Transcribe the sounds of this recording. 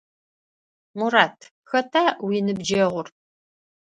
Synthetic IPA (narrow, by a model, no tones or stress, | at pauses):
muɾaːtʰ | xɐtʰaːwiːnɨbd͡ʒɐʁʷʊr